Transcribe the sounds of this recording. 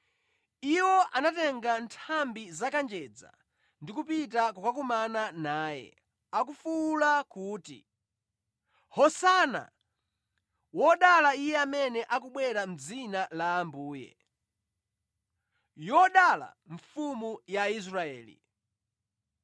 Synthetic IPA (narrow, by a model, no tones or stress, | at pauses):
iwɔʔanatɛŋɡantʰambizakand͡ʒɛd͡za̰ | ndikupit̬akukakumananaːjɛ̰ | akufuːlakuːtḭ | hɔsana̰ | wɔɗalaijɛamɛnɛʔakuɓwɛɾam̩d͡zinalaːmbuːjɛ̰ | jɔɗala̰ɱ̩fumujais̬ɾaɛ̰ːlḭ